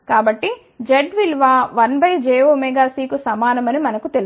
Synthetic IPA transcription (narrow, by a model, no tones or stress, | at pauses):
kaːbɐʈːi | d͡ʒeɖʋilʋaːʋɐnbʱɐjd͡ʒɛːʋoːmɛɡaːsiːkusɐmaːnɐmɐnimɐnɐkut̪el